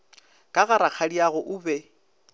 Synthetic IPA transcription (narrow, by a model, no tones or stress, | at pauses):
kʼaɣaɾak͡xʰadiaɣʊʔʊːbɛ